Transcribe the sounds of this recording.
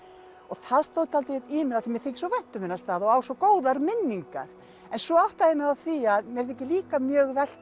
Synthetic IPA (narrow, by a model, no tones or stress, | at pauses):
ɔɣθaðst̪oːwt̪ʰalt̪ɪt̪imɪnaθimjɛɾ̥θɪhcːsɔvɛjn̥t̪ʏmɪnːast̪aːðɔaːwsɔkoːwðaɾmɪnːiŋka̰ɾ̥ | ɛnsvɔawht̪aenaaθiaðmjɛɾθɪhcːɪliːkamjœːɣvɛl̥